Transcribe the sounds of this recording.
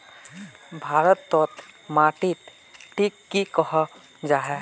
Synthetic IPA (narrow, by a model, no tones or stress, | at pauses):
bʱaːɾət̪ːɔːt̪maːʈit̪ | ʈʰiːkːikəɦa | d͡ʒaːɦɛ